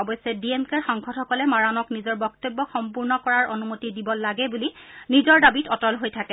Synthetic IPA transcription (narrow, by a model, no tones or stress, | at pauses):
ɔbɔjsɛdiemkɛɹxɔŋkʰɔtxɔkɔlɛmaɹanɔknizɔɹbɔk̚tebːɔxɔmpuɹnɔkɔɹaɹonumotidibɔlaɡɛbulinizɔɹdabitɔtɔlɦojtʰakɛ